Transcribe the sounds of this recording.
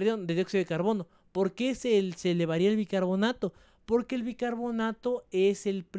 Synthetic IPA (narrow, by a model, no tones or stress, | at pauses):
ɾðjond̪eðjoksiaðekaɾβono | poɾkeseseleβaɾiaelβikaɾβonat̪o | poɾkelβikaɾβonat̪oeselpɾ